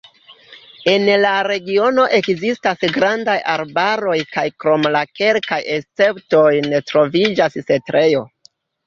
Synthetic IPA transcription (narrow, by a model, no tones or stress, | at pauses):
e̞nlaɾe̞ɡio̞no̞ʔe̞kzistasɡɾandajaɾbaɾo̞jkajkɾo̞mlake̞lkajest͡se̞pto̞jnetɾo̞vid͡ʒasse̞tɾʔe̞jo̞